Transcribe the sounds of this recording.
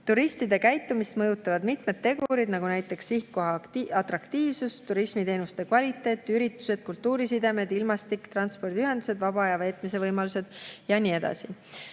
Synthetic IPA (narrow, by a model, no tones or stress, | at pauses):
t̪uɾist̪id̪e̞kæjt̪ːˑumist̪mɤjut̪ːˑɑvɑd̪mit̪me̞d̪ːe̞ɡuɾid̪nɑɡ̥unæjt̪ːˑe̞ksihkkːoɑɑt̪rɑkt̪iːvsust̪ːuɾismit̪e̞ːnust̪e̞kvɑlʲit̪ːˑe̞ːt̪ːˑyɾit̪ːˑu̥se̞d̪̥̚kult̪ːuːɾisid̪e̞me̞d̪ilmɑst̪ikt̪rɑnspo̞rd̪iyɦe̞nd̪use̞d̪̥vɑb̥ɑɑjɑve̞ːt̪ˑmise̞vɤjmɑluse̞d̪̥jɑnʲie̞d̪̥ɑ̰si